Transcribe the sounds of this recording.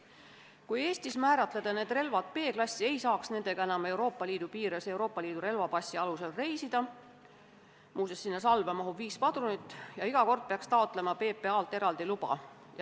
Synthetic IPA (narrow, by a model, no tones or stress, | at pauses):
kuje̞ːst̪ismæːɾɑt̪ˑle̞d̪̥ɑne̞ːd̪̥re̞lvɑd̪̥̚pe̞ːklɑsʲːie̞jsɑːksne̞nd̪e̞ɡ̥ɑe̞nɑme̞wɾo̞ːpːˑɑliːd̪̥upiːɾese̞wɾo̞ːpˑːɑliːd̪̥uɾe̞lvɑpɑsʲːiɑluse̞lre̞jsid̪̥ɑ | mʔuːsesːinːɑsɑlvemɑɦuviːspɑd̪̥runit̪ːˑjɑiɡ̥ɑko̞rd̪̥̚peɑkst̪ɑo̞t̪ˑle̞mɑpe̞ːpːe̞ɑːlt̪ːˑe̞ɾɑld̪ilub̥ɑ̰ | j